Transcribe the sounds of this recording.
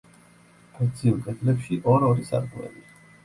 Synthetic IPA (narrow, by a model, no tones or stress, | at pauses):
akt̪sʰiulˠkʼɛt̪ʰlɛpʃiʔɔɾɔɾisa̰ɾkʼuɛ̰li